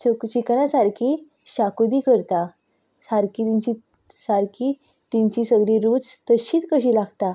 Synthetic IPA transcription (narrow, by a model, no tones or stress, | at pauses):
ot͡ɕiknãsaɾkʰiː | ɕakd̪iːkəɾt̪a | saɾkit̪iɲt͡ɕi | saɾkʰiː | t̪iɲt͡ɕisəɡɭiɾud͡zt̪əɕiːt̪kəɕ̬iːlaɡt̪a